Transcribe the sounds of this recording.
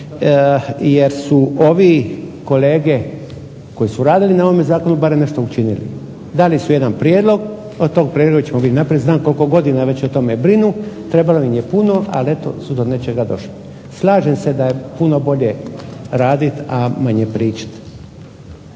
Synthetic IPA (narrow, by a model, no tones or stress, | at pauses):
jeɾsuʔo̞ʋiko̞le̞ːɡe̞ | ko̞jisuɾaːd̪ilinao̞omezaːkonubaɾemne̞ʃt̪o̞ut͡ʃinilḭ | d̪alisuje̞d̪anpɾjeːd̪lˠo̞ɡ | ot̪o̞ːɡ̚pɾeloɡat͡ɕemobid̪ʲnapɾied̪znaːmko̞lko̞ɡo̞d̪inaʋe̞t͡ɕot̪o̞mebɾinut̪ɾe̞baloimje̞puno̞ʔa̰lie̞t̪o̞̰sud̪o̞ne̞t͡ʃe̞ɡad̪o̞̰ʃli | slˠaːʒemse̞d̪ajepuno̞bo̞ʎe̞ɾaːd̪it̪amaɲepɾiːt͡ʃḁt̪